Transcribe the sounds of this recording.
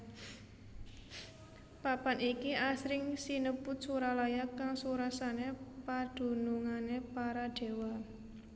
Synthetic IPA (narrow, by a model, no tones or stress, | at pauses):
papanikiasɾɪŋsinəpʊt̪̚suɾalajakaŋsuɾasanepad̪̥ṳnuŋanepaɾaɖ̥e̤wa